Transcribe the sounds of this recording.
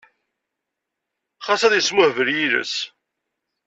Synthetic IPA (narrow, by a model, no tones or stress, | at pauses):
χɑsæðjəsmʊhvəɾjilə̰s